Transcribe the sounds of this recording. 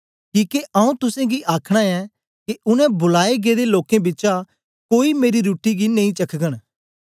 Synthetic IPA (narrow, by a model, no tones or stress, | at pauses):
kiːkeʔɐũt̪ʊsẽɡiʔaːkʰɽ̃aɛ | kiʊnɛ̃bʊlaːeɡed̪eloːkẽbɪtːt͡ʃa | koːimeːɾiɾuːʈiɡineĩt͡ʃɐkʰɡəɽ̃